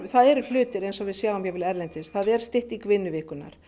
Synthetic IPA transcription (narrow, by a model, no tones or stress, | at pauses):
θaðɛɾʏllʏːt̪ɪɾejnsɔvɪðsjaːwɔmjɛvɪlɛɾlɛnt̪ɪsθaðɛɾ̥st̪ɪht̪ikvɪnːʏvɪhkʏna̰ɾ̥